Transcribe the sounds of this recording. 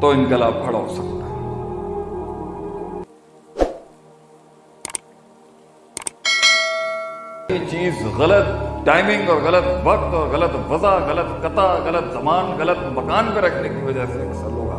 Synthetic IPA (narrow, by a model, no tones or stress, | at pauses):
t̪oɪnɡɐlaːpʰɐɽaɦoːsɐkt̪a | it͡ʃiːzɣɐlət̪̚ʈaːɪmɪ̃ŋɡɔːɾɣɐlət̪ʋɐk̚t̪ɔːɾɣɐlət̪ʋɐzaɣɐlət̪kɐt̪aɣɐlət̪zɐmaːnɣɐlət̪mɐkaːnpeɾɐkʰnekiʋɐd͡ʒaseɐsəoːɡa̰ː